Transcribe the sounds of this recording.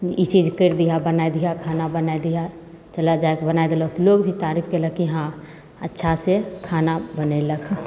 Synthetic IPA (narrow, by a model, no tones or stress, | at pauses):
it͡ʃid͡ʒkəɾd̪ijabənaed̪ijakʰaːnabənaed̪ija | t͡ʃəlad͡ʒaekbənaed̪elək̪̚loːɡbʱit̪aːɾikʰkeləɡ̚kiɦã | ətːʃʰasekʰaːnabəneləkʰ